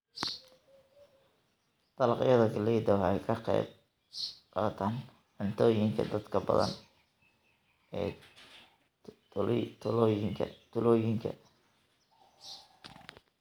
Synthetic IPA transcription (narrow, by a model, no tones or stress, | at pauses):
t̪ɑlɑqjɐðɐɡɐliːd̪ɐwhɛjkʰɐqɛ̰ːb̚ | qɑːt̪ʰaːn | ʕʊnt̪ʰɔːjɪŋkʰɐ̰d̪ɐd̪kʰɐbɐ̰ðɐ̰n | ɛ̰ː | ŋʰɐ̰t̪ʰʊlɔːjɪŋkʰɐ̰